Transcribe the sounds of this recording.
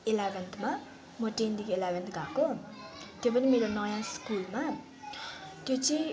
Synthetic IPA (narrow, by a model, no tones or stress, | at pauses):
elabent̪ʰma | mʌʈend̪ikelabʱent̪ɡʱako | t̪jop̬ʌnimeɾonʌjãskulma | t̪jot͡si